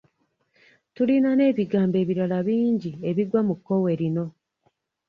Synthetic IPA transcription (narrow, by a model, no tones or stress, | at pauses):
tulinane̞ːβiɡaːmbe̞ːβiɾalaβiːɲɟie̞βiɡwamukːo̞we̞ɾino̞